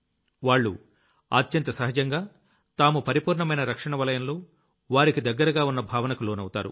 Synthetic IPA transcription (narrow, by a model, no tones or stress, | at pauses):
ʋaːɭːṵ | a̰ːt̪jɐnt̪ɐsɐɦɐd͡ʒɐŋɡaː | t̪aːmupɐɾipuːɾɳɐmɐjnɐɾɐkʂɐɳɐʋɐlɐjɐnlo̞ː | ʋaːɾikid̪ɐɡːɐɾɐɡaːunːɐbʱaːʋɐnɐkuloːnɐwut̪aːɾṵ